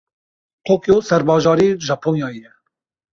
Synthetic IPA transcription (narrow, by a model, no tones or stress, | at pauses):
t̪ʰoːkjoːsɛɾbɑːʒɑːɾiːʒɑːpʰoːnjɑːjɛ